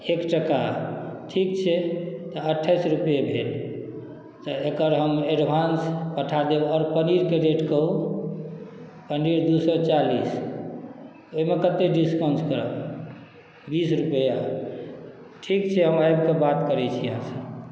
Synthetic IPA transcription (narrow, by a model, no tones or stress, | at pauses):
ekʈəkaʈʰikt͡ʃʰɛt̪ɔəʈʰːajsɾupjebʱel | t̪ɔekəɾɦəmeɖbʱanspəʈʰad̪eɔːɾpəniɾkeɾeʈkəɦu | pənɖiɾd̪usɔt͡ʃalis | oimekət̪eɖiskawnt͡ʃkəɾə̰b | bisɾupəja | ʈʰikt͡ʃʰɛɦəmajbkebat̪kəɾɛt͡ʃʰijəɦãsəb